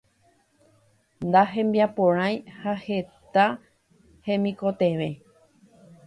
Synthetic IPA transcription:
nd̪aɦẽ̞mbiapõɾ̃ãj̃hahe̞t̪a | hẽ̞mĩko̞t̪eʋe̞

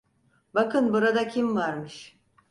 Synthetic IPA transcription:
bakʰɯnbuɾad̪acʰimvaɾmɯʃ

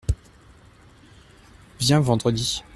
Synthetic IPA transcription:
vjɛ̃vɑ̃d̪ʁəd̪i

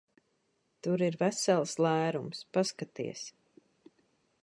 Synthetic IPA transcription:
t̪uɾiɾvæsɛlˠslˠæːɾumspaskat̪ḭɛs

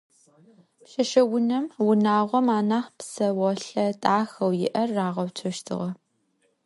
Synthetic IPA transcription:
pʃɐʃɐwʊnɐmwʊnaːʁʷɔmaːnaːχpsɐwɐɬɐtʼaːxɐwjɪ̰ʔɐrːaːʁɐwt͡ʃʷʰɐʃtʰɨ̰ʁɐ

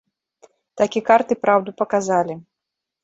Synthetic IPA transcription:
t̪akʲikart̪ɨpɾawd̪upɐkazalʲi

